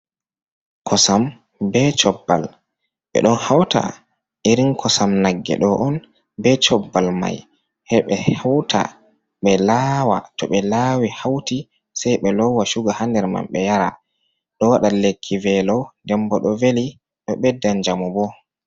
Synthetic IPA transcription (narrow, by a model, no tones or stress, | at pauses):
kʰɔsam | bɛt͡ʃɔbːa̰l | ɓɛ̰ɗɔnhawta̰ | ʔiɾiŋkʰɔsamnaɡːɛ̰ɗɔʔɔn | bɛt͡ʃɔbːalma̰j | hɛɓɛhawtʰa̰ | ɓɛlawa̰tɔɓɛlawihawti | sajɓɛlɔwːaʃuɡahandɛɾma̰mɓɛjaɾa | ɗɔwaɗalekʰːivɛlɔwdɛmbɔɗɔveli | ɗɔɓɛdːand͡ʒamɔbɔ